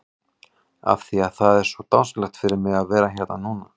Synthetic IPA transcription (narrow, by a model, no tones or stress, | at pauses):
a̰fθiaðθaðɛɾ̥svɔt̪awnsklɛxt̪fɪɾɪɾmɪɣaðvɛːɾaçɛɾt̪nanuːna